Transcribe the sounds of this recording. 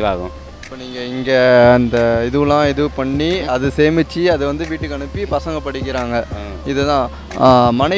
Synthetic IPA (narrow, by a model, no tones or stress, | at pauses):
kaːɣɐ̰̃ | ɪpːoːniːŋɡɐɪŋɡɐːnd̪ɐɪðɯʋɯlãːɪðɯpɐɳːiɐðɯseːmɪt͡ʃːiɐðɯʋɐnd̪ɯʋiːʈːɯkːɐɳɯpːipɐsɐŋɡɐpːɐɽɪkːɪɾaːŋɡɐ | ɪðɯt̪ãː | mɐnɐɪ